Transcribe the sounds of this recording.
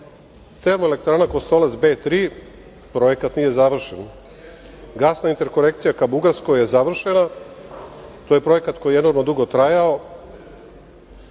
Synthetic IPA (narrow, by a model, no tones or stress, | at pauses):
t̪e̞ɾmoelekt̪ɾaːnako̞st̪o̞let̪sbeːt̪ɾiː | pɾo̞je̞kat̪niːje̞zaʋr̩ʃen | ɡaːsnaint̪e̞ɾko̞ɾe̞kt̪sijakabuɡaɾsko̞je̞zaʋr̩ʃe̞na | t̪oje̞pɾo̞je̞kat̪ko̞jeno̞ɾmnod̪uɡo̞t̪ɾajao